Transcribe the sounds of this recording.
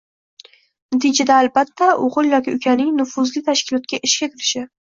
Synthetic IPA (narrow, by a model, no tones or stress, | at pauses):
nat̪ʰɪd͡ʒad̪aːlbat̪ʰːaʔoʁɨlˠjɒkʲɪʊkʲʰanɪŋnʊfʊzlɪt̪ʰaʃkʲɪlˠɒt̪̚kʲaʔɪʃkʲak̪ʲʰɪɾɪʃɪ